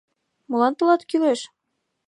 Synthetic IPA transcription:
mŏlɑnt̪ɤ̆lˠɑt̪kileʃ

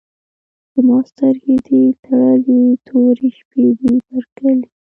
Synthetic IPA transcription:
d̪̥əmɑst̪aɾɡid̪it̪aɽalit̪ʰoɾiʃped̪ibaɾkəli

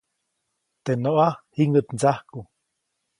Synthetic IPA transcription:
t̪enoʔahiŋɡɨt̪nt͡sahku

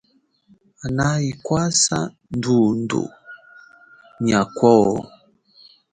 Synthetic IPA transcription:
anaikwasa̰ | ndundṵ | ɲakwɔ

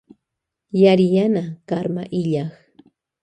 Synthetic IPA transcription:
jaɾɪjanakaɾmaʔɪʎaχ

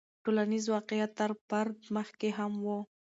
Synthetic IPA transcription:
ʈolanizwɑqejat̪ːaɾpaɾd̪məxkeɦamwu

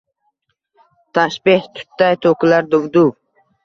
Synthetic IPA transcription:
t̪ʰaʃbeht̪ʰʊ̥t̪ːajt̪ʰokʊlaɾd̪ʊwd̪u

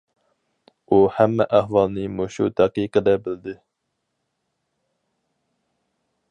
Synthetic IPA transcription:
uhæmːɛʔæhwɑlˠnɨmoʃṵt̪ɛqiqəd̪ɛbɪld̪ɪ

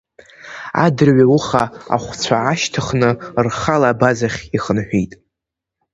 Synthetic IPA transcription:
a̰dɨrɥauχaa̰χʷt͡sʷʰaːʃtʰɨχnɨrχalaːbazaχʲiχənħᶣijtʼ

